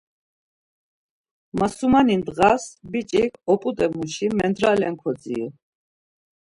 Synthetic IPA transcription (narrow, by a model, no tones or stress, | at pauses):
masumanind̪ɣasbit͡ʃʼikʰɔpʼut̪ʼɛmut͡ʃʰimɛnd̪ɾalɛŋkʰɔd͡zḭ